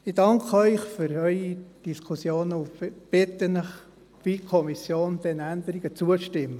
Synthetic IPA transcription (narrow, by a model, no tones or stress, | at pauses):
ɪdɑŋkʰəœʏχfyɾœʏid̥iskʰusjoːnəʊb̥ɪt̪ənəχ | ʋikʰɔmisjoːnd̥̪ɛnænd̪əɾiɡət͡suəʃtɪmːə